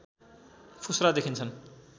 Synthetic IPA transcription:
pʰusɾad̪ekʰint͡sʰʌn

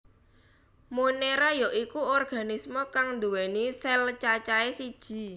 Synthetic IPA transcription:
moneɾajɔʔikuɔrɡ̥a̤nismokaŋnd̪uwɛnisɛlt͡ʃat͡ʃaesid̥ʒ̥i̤

